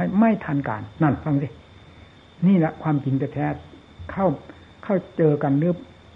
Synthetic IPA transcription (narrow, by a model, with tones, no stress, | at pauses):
jma˥˩jt̪ʰaː˧nka̰ː˨nːa˧˩nfa˧˩ŋsi˧˩ | niː˥˩la˧˥kʰwaː˧mki˨nt͡ɕa˨˧˩t̪ʰɛː˧˥ | kʰa˥˩w | kʰa˥˩wt͡ɕɤː˧ka˧nlɯ˦˥ə˨